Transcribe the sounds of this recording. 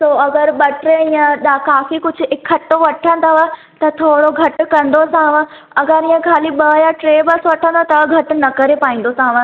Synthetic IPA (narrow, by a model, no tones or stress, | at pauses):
soːɐɡəɾɓɐʈɾeijə̃ɗ̪akaːfikʊd͡ʑʱʊɪkʰːɐʈːoʋɐʈʰə̃nd̪aʋə | t̪ɐt̪ʰoːɽoɡʱɐʈʊ̆kɐ̃nd̪osãɦʋə̃ | ɐɡəɾĩːə̃kʰaːliɓɐjaʈɾeːbɐsʋɐʈʰə̃nd̪ot̪ɐɡʱɐʈʊ̆nɐkɐɾepaːĩn̆d̪osãːʋə̃